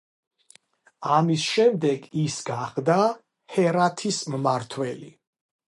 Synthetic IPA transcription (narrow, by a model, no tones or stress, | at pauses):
amisʃɛmd̪ɛɡisɡaχd̪a | hɛɾat̪ʰismmaɾt̪ʰwɛli